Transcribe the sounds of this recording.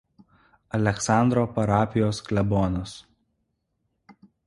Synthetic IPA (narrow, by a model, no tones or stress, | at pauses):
ɐlʲɛksɑˑnd̪ɾoːpɐɾɑːpʲɪjoːsklʲɛbɔːnos